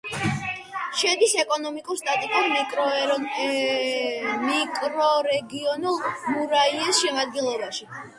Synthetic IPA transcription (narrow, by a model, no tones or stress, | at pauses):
ʃɛd̪isɛkʼɔnɔmikʼuɾst̪ʼat̪ʼikʼuɾmikʼɾɔ | mikʼɾɔɾɛɡiɔnulˠmuɾaiɛsʃɛmad̪̚ɡilˠɔbaʃi